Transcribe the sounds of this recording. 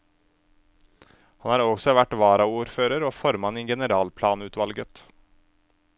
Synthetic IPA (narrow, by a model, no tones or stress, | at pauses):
hɑnæːɾɔɡsɔʋæʈʋɑːɾɑuːɾføːɾəɾoːfɔɾmɑniɡɛnəɾɑːlpʰlɑːnʉːt̪ʋɑlɡət̪